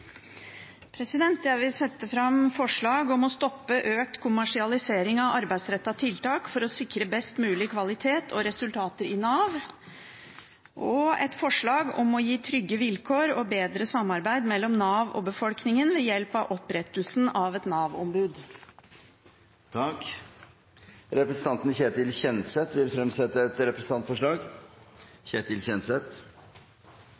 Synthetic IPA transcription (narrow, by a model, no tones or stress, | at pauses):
pʰɾɛsɪd̪ɛnt̪jæɪʋɪlsɛt̪ːəfɾɑmfɔʂɭɑːɡɔmɔst̪ɔpːəʔøːk̚t̪kʰʊmæʂɪɑlɪseːɾɪŋɑʋɑɾbæɪsɾɛt̪ːɑt̪ʰɪlt̪ɑːkfɔɾɔsɪkɾəbɛst̪mʉːlɪkʰʋɑlɪt̪ʰeːt̪ʰɔɾɛsʉlt̪ʰɑːt̪əɾɪnɑːʋ | ʔɔɛ̰t̪fɔʂɭɑːɡɔ̰mɔjiːt̪ʰɾʏɡːəʋɪlkʰoːɾɔbeːd̪ɾəsɑmːɑɾbæɪd̪mɛlːɔmnɑːʋɔ̰bəfɔlknɪŋənʋɛjɛlpɑʋʔɔpɾɛt̪əl̩sn̩ɑʋɛt̪nɑːʋɔ̰mbʉːd̪ | t̪ʰɑk | ɾɛpɾəsən̩ɑnt̪nçeːt̪ɪlçɛnsɛt̪ʋɪlfɾɛmsɛt̪ːəɛt̪ɾɛpɾəsən̩ɑnt̪fɔʂɭɑːɡ | çeːt̪ɪlçɛnt̪sɛt̪